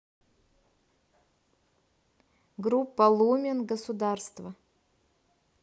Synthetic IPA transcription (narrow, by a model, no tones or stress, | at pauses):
ɡɾupːɐlˠumʲɪnɡəsud̪arst̪vɐ